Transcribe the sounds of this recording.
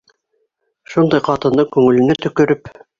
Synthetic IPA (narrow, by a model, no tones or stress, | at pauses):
ʃund̪ɑjqɑt̪ɤ̆nd̪ɤkʉŋɘ̆lɘ̆næt̪ɵ̆kɵ̆ɾɘp